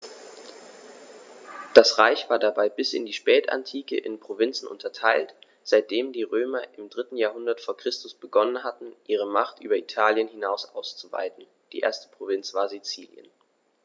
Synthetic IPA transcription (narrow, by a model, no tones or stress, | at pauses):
d̥asʁaɪçv̥aːɐdabaɪbɪsɪ̰ndiːʃpɛːta̰ntʰiːkə̰ʔɪ̰npʁ̥ovɪnt͡sn̩ʔʊ̰ntʰɐtʰaɪlt | z̥aɪt̚d̥eːmdiːʁøːmɐʔɪmdʁɪtn̩jaːɐɦʊndɐtfoːɐkʁ̥ɪstʊsb̥əɡɔnənɦatn̩ʔiːʁ̞əmaχtʔyːbɐitʰaːljənhɪnaʊsʔa̰ʊst͡suva̰ɪtn̩ | d̥iːʔḛːɐstə̥pʁ̥ovɪnt͡sv̥aːɐzit͡sḭːljə̰n